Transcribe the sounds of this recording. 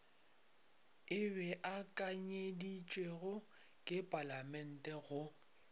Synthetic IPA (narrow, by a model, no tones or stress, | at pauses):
ɪbɛʔakʼaɲedit͡ʃʼweɣʊ | kʼɪpʼalamɛn̩tʼɛɣʊ